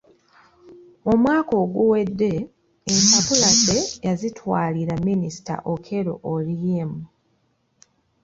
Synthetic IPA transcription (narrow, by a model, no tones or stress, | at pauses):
omwaːko̞ɡuwe̞dːe̞ː | mpapulazejazitwaːliɾaminisi̥ta̰ʔokʰe̞ɾo̞̰ʔolijemu